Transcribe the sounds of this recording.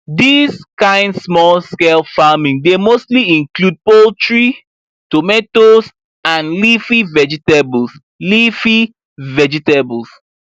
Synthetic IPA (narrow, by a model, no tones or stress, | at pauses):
diskãɪ̃ndsmɔlˠskelfamĩŋdemostliĩŋklud̚poltɹi | tometos | ãnlifivɛd͡ʒitebls | lifi | vɛd͡ʒitebls